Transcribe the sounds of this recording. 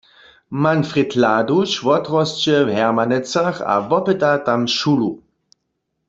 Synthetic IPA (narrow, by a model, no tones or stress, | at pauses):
manfʁɛtʰladuʃʋɔtʁɔst͡ʃɛvɦɛʁmanɛt͡saχa̰vɔpɛtatamʃulu